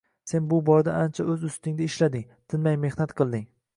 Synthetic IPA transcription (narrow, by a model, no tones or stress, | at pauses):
se̞nbʊbɒɾd̪aant͡ʃʰaɵzʊst̪ɪŋd̪aɪʃlad̪ɪŋ | t̪ʰɪnmajme̞hnat̪qʰɨlˠd̪ɪŋ